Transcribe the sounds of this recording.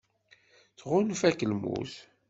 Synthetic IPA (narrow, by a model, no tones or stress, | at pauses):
θʁʊnfækəlmṵθ